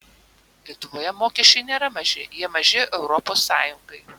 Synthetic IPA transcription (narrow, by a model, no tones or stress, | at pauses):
lʲiɛt̪ʊʋoːjɛmoːkʲɛʃʲt͡ʃʲɛɪnʲeːɾɐmɐʒʲɪjiɛmɐʒʲɪʔɛʊɾɔpoːsːɑːjʊŋɡɐɪ